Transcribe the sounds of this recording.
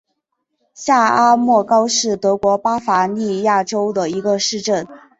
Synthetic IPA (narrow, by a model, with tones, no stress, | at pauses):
ɕja˥˩a˥mwɔ˥˩kɑ˥ʊʂɻ̩˥˩t̪ɤ˧˥kwɔ˧˥pa˥fa˧˥ni˥˧ja˥˩ʈ͡ʂo˥ʊd̪ə˨i˧˥ɡə˧ʂɻ̩˥˧ʈ͡ʂə˥˩n